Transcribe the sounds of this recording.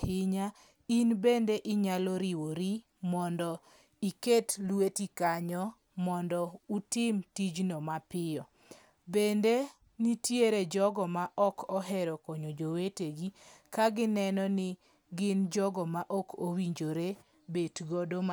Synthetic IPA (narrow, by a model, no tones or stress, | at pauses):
hɪɲa | inbendeʔɪɲalɔɾiwoɾi | mɔndɔ | iketlwetikaɲɔ | mɔndɔutɪmtid͡ʒnɔmapɪɔ | bende | nitjeɾed͡ʒɔɡɔmaʔɔkʰɔɦɛɾɔkɔɲod͡ʒoweteɡikaɡɪnɛnɔnɪ | ɡɪnd͡ʒɔɡɔmaʔɔkowiɲd͡ʒoɾe | betɡɔdom